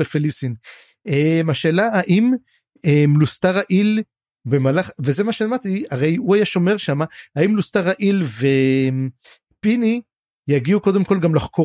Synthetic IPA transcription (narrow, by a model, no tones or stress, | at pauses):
efelisin | emaʃeːlaaʔim | emlust̪aʁaʔil | be̞malaχve̞zemaʃemat̪iaʁe̞juajaʃo̞me̞ʁʃamaaimlust̪aʁaʔilve̞m | pini | jaɡiuko̞d̪emko̞lɡamlaχkʰo